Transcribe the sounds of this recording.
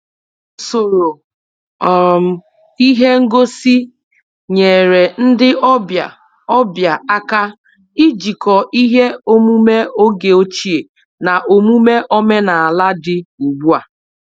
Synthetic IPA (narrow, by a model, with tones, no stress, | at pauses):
so˨ɾo˨ | m̩˨ | i˦ɦe˦ŋ̩˦ɡo˦si˦ | ɲe˨ɾe˨n̩˦dɪ˦ba˨ | ɔ˦bja˨a˦ka˦ | i˦d͡ʒi˨kɔ˨ʔi˦ɦe˦o˦mu˦me˦o˦ɡe˨o˦t͡ʃi˦e˨ | na˨ʔo˨mu˦me˦ʔo˦me˦na˨a˨la˦dɪ˦u˨ɡ͡bu˦a˨